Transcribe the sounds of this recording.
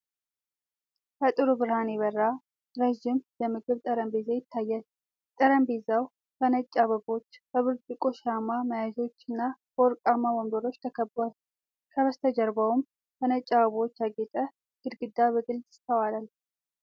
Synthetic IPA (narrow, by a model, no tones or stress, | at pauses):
kʰət̪ʼɨɾubɨɾhaneβərːa | ɾəʒːɪmbəmɨɡɨβt̪ʼəɾəmbe̞zajɪt̪ʰːajːal | t̪ʼəɾəmbezaw | bənət͡ʃʼːaβəbo̞t͡ʃːbəβɨɾd͡ʒʼɨkʼoʃamaməjazo̞t͡ʃːɨnːabəɔɾkʼamawombəɾo̞t͡ʃːt̪ʰəkʰəbal | kʰəβəst̪ʰəd͡ʒəɾbawm | bənət͡ʃʼːaβəβo̞t͡ʃːjaɡet̪ʼə | ɡ̥ɨd̪ɡɨd̪ːaβəɡɨlzʼɪ̥st̪ʰəwalal